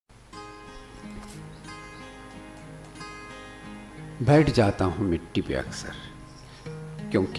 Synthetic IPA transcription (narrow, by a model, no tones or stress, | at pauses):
bɛːʈʰd͡ʒaːt̪aɦũmɪʈːipḛɐ̰ksə̰ɾ | kjõːk